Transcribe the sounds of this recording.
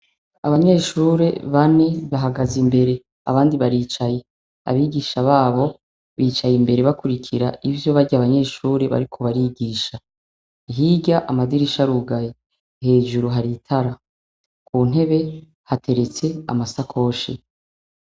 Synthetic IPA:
aβaɲe̞ːʃuːɾe̞βane̞βaɦaɡazimbe̞ɾe̞ | a̰βaːndiβaɾiːt͡ʃaje̞ | a̰βiɡiʃaβaːβo̞ | βiːt͡ʃajimbe̞ɾe̞βakuɾikʰiɾa̰ʔivjo̞βaɾɟaːβaɲe̞ːʃuːɾe̞βa̰ɾikʰo̞βaɾiɡiːʃa | ɦiɟaʔamadiɾiʃaɾuɡaje | he̞ːd͡ʒuɾuɦaɾitʰaɾa | kʰuːn̥ɦe̞βe̞ | hatʰe̞ɾe̞t͡se̞a̰masakʰo̞ːʃḛ

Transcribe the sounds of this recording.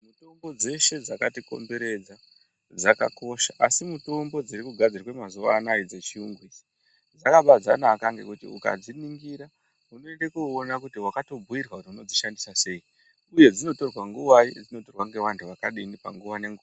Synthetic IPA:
muto̞mbod͡ze̞ʃe̞d͡zakatiko̞̰mbe̞ɾe̞d͡za | d͡zaka̰ko̞ʃaʔasimuto̞mbo̞d͡ziɾikuɡʱad͡zirwemazuʋanaid͡zet͡ʃiuŋɡwisi̥ | d͡zakaɓad͡za̰nakaŋɡe̞̰kutḭṵka̰d͡ziniŋɡiɾa | uno̞endekuːnakutiwakato̞bʱuirwautiuno̞d͡ziʃandisase̞i | uje̞d͡zino̞to̞rwaŋɡuʋaid͡zino̞torwaŋɡe̞ʋantʰuʋakaɗinipa̰ŋɡuʋane̞ŋɡu

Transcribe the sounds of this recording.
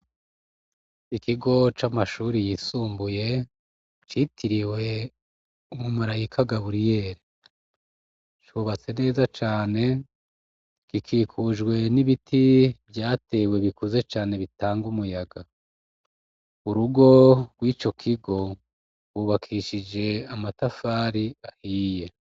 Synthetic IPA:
ikiɡo̞t͡ʃamaʃuːɾijiːsuːmbuje̞ | t͡ʃitʰiɾiwe̞ | umumuɾajikʰaɡaβuɾije̞ːɾe | t͡ʃuβat͡se̞ne̞ːzat͡ʃaːne̞ | kikʰiːkʰuʒɡwe̞niβitʰibjaːte̞ːwe̞βikuze̞t͡ʃaːne̞βitaːŋɡumujaɡa | uɾuɡo̞ɡ̥wiːt͡ʃo̞kʰiɡo̞ | wuβakʰiʃid͡ʒe̞amatafaːɾiahiːje̞

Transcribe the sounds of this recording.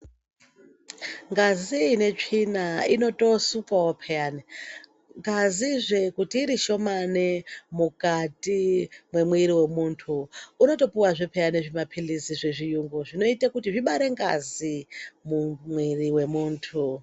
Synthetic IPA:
ŋɡaziːne̞t͡ʂinaino̞to̞sukwawopʰejane | ŋɡaziʐekutiːɾiʃo̞manemukatʼimwe̞mwiɾiwe̞muntʰuuno̞to̞puwaʐipʰejaneʐimapʰiliziʐeʐijuŋɡuʐino̞itakutiʐiɓaɾe̞ŋɡa̰zimumwiriwe̞muːntʰu

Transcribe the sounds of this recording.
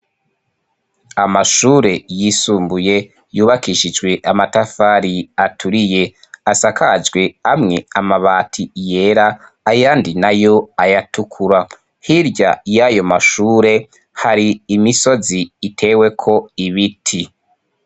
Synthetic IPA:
amaʃuːɾe̞jisuːmbuje̞ | juːβakiʃid͡ʒɡwe̞ʔamatafaɾiatʰuɾije̞ | asakʰad͡ʒɡwe̞amŋe̞amaβaːtʰije̞ɾaː | jaːndinajo̞ajatukʰuɾa | hiɾɟa̰jajo̞maʃuːɾe̞ | haɾiːmiso̞ziːtʰe̞we̞kʰo̞iβitʰi

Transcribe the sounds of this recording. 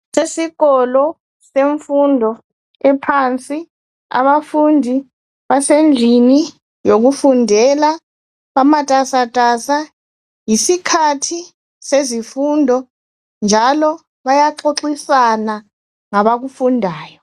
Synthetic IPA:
sesiɣɔlɔ | seɱfundʱɔ | ɛpʰant͡sʼi | a̰βafundʱi | βasend͡ɮʱini | joɣufundʱɛla | βamatʼasatʼasa | jisikʰatʰi | sezifundʱɔ | nd͡ʒʱalɔ | βajaǁoǁisana | ŋaβaɣufundʱaːjɔ

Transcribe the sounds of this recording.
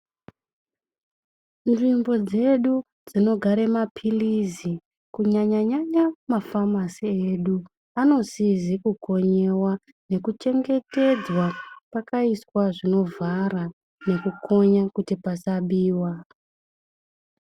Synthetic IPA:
nʐimbo̞d͡ze̞ɗu | d͡zino̞ɡʱaɾemapʰilizi | kuɲaɲaɲaɲamafamasieːɗu | ano̞zizikuko̞ɲe̞wa | ne̞kut͡ʃe̞ŋɡe̞te̞d͡zwapakaiswaʐino̞vara | ne̞kukʰo̞ɲakutipasaɓiːwa

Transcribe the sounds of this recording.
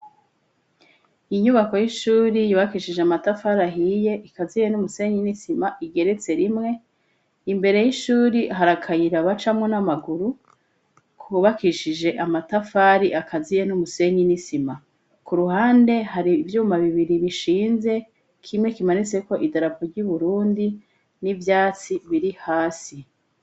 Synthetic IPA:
iɲuβako̞jiʃuːɾijuβakiʃid͡ʒeamatafaːɾaɦije̞ʔikazijenumuse̞ɲinisimaʔiɡe̞ɾe̞t͡se̞ɾimŋe̞ | imbe̞ɾe̞jiʃuːɾiɦaɾakʰajiɾaβat͡ʃamŋonamaɡuɾu | kʰuːβakiʃid͡ʒe̞ʔamatafaːɾiʔakʰazijenumuse̞ɲinisima | kuɾuɦaːnde̞ɦaɾivjuːmaβiβiɾiɾiʃiːnze̞ | kʰimŋe̞kimanit͡se̞ko̞ʔidaɾapoɾɟuβuɾuːndi | nivjaːt͡siβiɾihaːsi

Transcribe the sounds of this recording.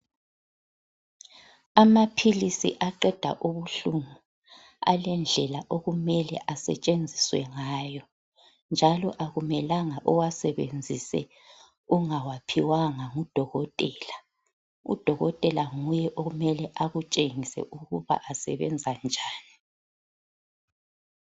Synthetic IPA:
amapʰilisḭʔaǃɛd̥ʱa̰ʔuβuɬuŋu | a̰lɛnd͡ɮʱɛlaʔoɣumɛlɛʔasɛ̰t͡ʃʼend͡zʱiswɛ̰ŋaːjɔ | nd͡ʒʱalɔʔaɣumɛlaŋaʔɔwasɛβend͡zʱisɛ̰ | uŋawapʰiwaŋaŋud̥ʱɔɣɔtʼɛːla | ṵd̥ʱɔɣɔtʼɛlaŋujɛʔoumɛlɛʔaɣut͡ʃʼeŋisɛ̰ʔuɣuβa̰ʔasɛβɛnd͡zʱand͡ʒʱaːni

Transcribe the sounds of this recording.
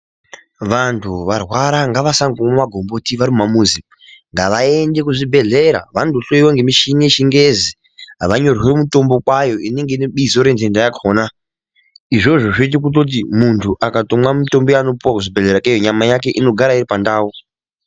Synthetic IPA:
ʋantʰuʋarwaɾaŋɡaʋasaŋɡumomaɡʱo̞mbo̞tiʋaɾimumamuːzi | ŋɡaʋae̞nde̞k̬uʐibʱe̞ɮe̞ɾa̰ʋandoɬo̞jiwaŋɡemiʃineʃiŋɡezi | ɦaʋaɲo̞rwe̞muto̞mbo̞kwajo̞ine̞ŋɡe̞ineɓizo̞ɾe̞ndendajakʰoːna | iʐo̞ʐo̞ʐoit̬ikut̬ot̬imuntʰuʔakatomwamito̞mbojaːno̞puwakuʐibʱeɮe̞ɾakajoɲamajake̞ʔino̞ɡʱaɾaiɾipandaːu

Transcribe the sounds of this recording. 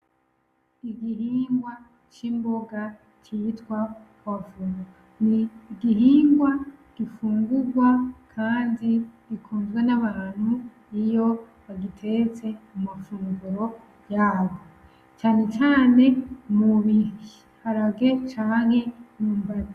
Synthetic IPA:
iɡiɦiːŋɡwa | t͡ʃimbo̞ɡa | t͡ʃitwakwafuːŋɡua | niːɡiɦiːŋɡwaɡ̥ifuːŋɡuɡwakʰaːndiɾikʰuːnzɡwenaβaːn̥hu | ijo̞ | βaɡitʰe̞t͡se̞umafuːŋɡuɾo̞ | jaːβo | t͡ʃaːne̞t͡ʃaːne̞muβihi | haɾaɡe̞t͡ʃaːŋinuːmvaa

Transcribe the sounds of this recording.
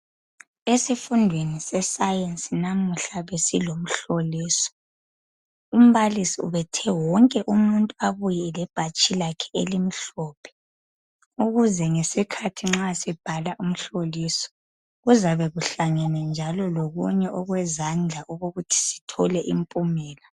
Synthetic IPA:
esifundʱwenisɛsajensʼinamuɬaβesilom̩ɬoliːsɔ̥ | um̩βalisiṵβɛtʰɛwɔŋkʼɛʔumuntʼuaβujɛlɛb̥ʱat͡ʃʼilakʰɛ̥ḛlim̩ɬɔːpʰɛ̥ | uɣuzɛŋesikʰatʰiŋ͡ǁasɛb̥ʱalaʔum̩ɬoliːsɔ̥ | ɣuzaβɛɣuɬaŋɛnɛnd͡ʒʱalɔloɣṵɲɛʔɔɣwɛzand͡ɮʱaʔuɣoɣutʰi̥si̥tʰɔlɛʔimpʼumɛːla

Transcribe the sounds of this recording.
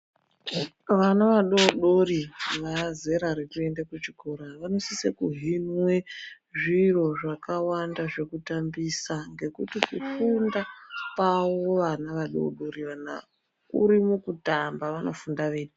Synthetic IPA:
ʋanaʋaɗo̞ɗo̞ɾiʋaze̞ɾaɾirue̞ndekut͡ʃikʰoɾaʋano̞sisekuɦinwe | ʐiro̞ʐakawandaʐe̞kutambisaŋɡe̞kutikufundakawo̞ʋanaʋaɗo̰ɗo̞ɾiʋana̰ | ṵɾimukutambaʋano̞̰fundaʋeːɗi

